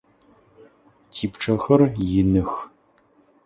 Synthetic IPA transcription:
tʰiːpʈ͡ʂʰɐxɐrjɪnɨx

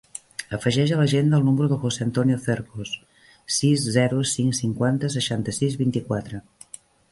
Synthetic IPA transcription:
əfəʒɛʒələʒend̪əːlˠnuməɾuðəxoseənt̪ɔnioθeɾkos | sizzɛɾusiŋsiŋkwant̪əs̬əʃant̪əsizβint̪ikwat̪ɾə

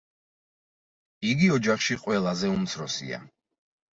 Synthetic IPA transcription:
iɡiɔd͡ʒaχʃiqʼwɛlˠazɛumt̪sʰɾɔsḭa̰

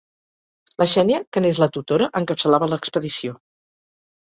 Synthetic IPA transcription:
ləʃɛniəkənezlət̪ut̪oɾəʔəŋkəpsəlaβələkspəðisio

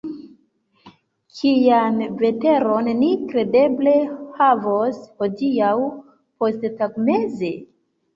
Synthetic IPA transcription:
kʰijanve̞te̞ɾo̞nːikɾe̞de̞ble̞havoshodiaw | po̞sttaɡne̞ze̞

